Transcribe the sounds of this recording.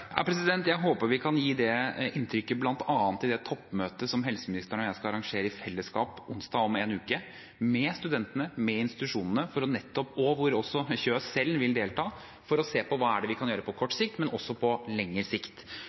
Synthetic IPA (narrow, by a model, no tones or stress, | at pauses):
æ̰pʰɾɛsɪd̪ɛnt̪jæɪɦoːpəɾʋɪkʰɑnjiːd̪ɛɪnt̪ʰɾʏkːəblɑnt̪ɑːɑnt̪ʰːɪld̪ɛt̪ʰɔpːmøːt̪əsɔmɦɛlsəmɪnɪst̪əɳɔjæɪskɑɑɾɑŋʂeːɾəɪfɛlːəskɑːpʊnsd̪ɑːɔmeːnʉːkə | mɛst̪ʉd̪ɛnt̪ənəmɛɪnst̪ɪt̪ʉʂuːnənəfɔɾɔnɛt̪ːɔpɔʋʊɾɔsːɔçøːsɛlʋɪld̪eːlt̪ʰɑː | fɔɾɔseːpɔʋɑːæɖɛʋɪkʰɑnjøːɾəpʰɔkʰɔʈːsɪk̚t̪mɛnɔsːɔpʰɔlɛŋːəɾsɪkt̪